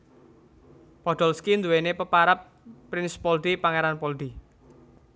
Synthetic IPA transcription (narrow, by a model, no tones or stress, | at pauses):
pɔd̪̥ɔlskind̪uwenepəpaɾap̚ː | ɾɪnspɔlɖ̪ipaŋeɾanpɔlɖ̪i